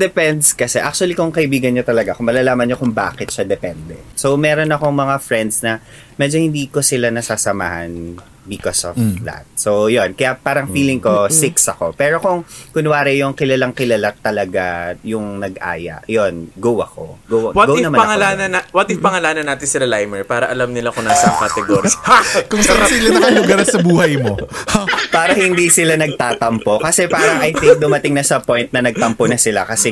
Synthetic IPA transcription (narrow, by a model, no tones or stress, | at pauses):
d̪ɛpɛnd̪skɐsɛʔa̰kt͡ʃʊɐlikʊŋkɐʔɪbiːɡɐnɲot̪ɐlɐɡakʊŋmɐlalaːmɐnːokʊŋba̰ːkɛt̪̚ʃad̪ɛpɛnd̪ɛ̰so̞wmɛːɾo̞nɐko̞ŋmɐŋafɹɛnd̪snɐ | mɛd͡ʒo̞hɪ̃nd̪iːko̞sɪlanɐsasɐma̰ːhɐ̰n | bɪkosɔla̰t̪̚sowjonkɐjapaːɾɐŋfiːlɪŋko̞sɪksɐko̞pɛːɾo̞kʊŋkʊnwaːɾɪjʊŋkɪlɐlaŋkɪlɐlat̪ɐlɐɡajʊŋnɐɡʔa̰ːjɐ̰ʔjo̞nɡowɐko̞̰ɡowɐwaɡownɐmanɐŋɐlaːnɐnawat̪ɪpɐŋɐlaːnɐnaːt̪ɪnsɪlɐlajmɛɹpaːɾɐʔɐlɐmnɪlakʊnaːsɐkɐt̪ɛɡoɾkʊŋsaɐsilɐnɐɐŋlʊɡɐɾsɐbuːhɐjmohpaːɾɐhɪnd̪iːsɪlanɐɡ̚t̪aːt̪ɐmpo̞kɐsɛpaːɾɐŋʔɐjt̪ɪŋk̚d̪ʊmɐt̪ɪŋnɐsɐpojnt̪̚nɐnɐɡ̚t̪ɐmponɐsɪla̰kɐsɛ